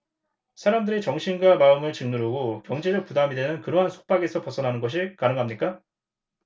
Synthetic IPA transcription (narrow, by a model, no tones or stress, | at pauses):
sʰaɾamdɯɾet͡ɕʌŋɕʰinɡwamaɯmɯɭt͡ɕɯŋnuɾoɡokjʌŋd͡ʑeɾɯpudamidenɯnkɯɾʌɦansʰo̥k̚p͈aɡe̞sʰʌpʌsʰʌnɦanɯnɡʌɕ̬ʰikanɯŋɦamɲik͈a